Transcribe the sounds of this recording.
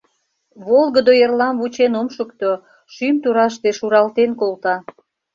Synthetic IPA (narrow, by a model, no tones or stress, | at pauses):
βolɣəd̪ojerlɑmβut͡ɕenomʃəkt̪o | ʃymt̪uɾɑʃ̬t̪eʃuɾɑlt̪enkolt̪ɑ